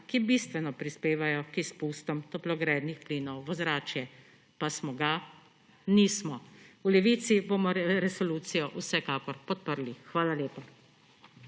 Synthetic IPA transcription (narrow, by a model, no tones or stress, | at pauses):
kibiːst̪ʋɛnɔpɾispeːʋajɔkispust̪ɔmt̪ɔplɔɡɾɛːd̪nixpliːnɔwʋɔzɾaːt͡ʃjɛ | pasmɔɡa | niːsmɔulɛʋiːt̪sibomɔɾɛsɔluːt̪sijɔʔusɛkaːkɔɾpɔt̪̚pəɾlixʋaːlaleːpa